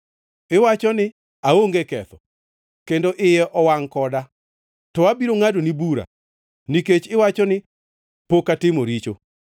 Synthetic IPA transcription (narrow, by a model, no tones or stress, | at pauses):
ɪwat͡ʃɔnɪ | aoŋɡekɛ̰t̪ɔ | kendoʔɪjɛʔɔwaŋkɔda | tɔabiɾoŋadonibuɾa̰ | niket͡ʃɪwat͡ʃɔnɪ | pokatɪmoɾit͡ʃo